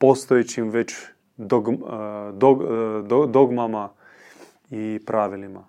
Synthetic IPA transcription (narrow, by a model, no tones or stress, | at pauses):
post̪ojet͡ɕimʋet͡ɕ | d̪oɡd̪oɡ̪od̪oɡmama | ipɾaʋilima